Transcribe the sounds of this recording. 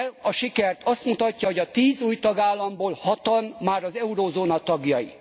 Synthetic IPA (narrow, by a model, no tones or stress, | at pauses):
lɒʃikɛrt̪ʰɒst̪mut̪ɒcːɒho̞ɟɒt̪iːzuːjt̪ɒɡaːlːɒmboːlhɒt̪ɒnmaːɾɒzɛuɾoːzoːnɒt̪ɒɡjɒjḭ